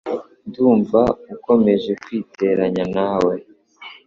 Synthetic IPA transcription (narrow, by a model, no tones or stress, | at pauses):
duːɱvauko̞me̞ʒe̞kwiːte̞ɾaɲanaːwe̞